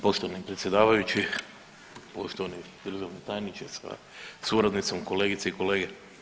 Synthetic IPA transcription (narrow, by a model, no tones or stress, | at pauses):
poʃt̪oʋanipɾet̪sje̞d̪aːʋajut͡ɕi | poʃt̪oʋani | d̪r̩ʒaʋnet̪aːjnit͡ʃesa̰ | suɾad̪nit̪somko̞leːɡit̪seiko̞leːɡe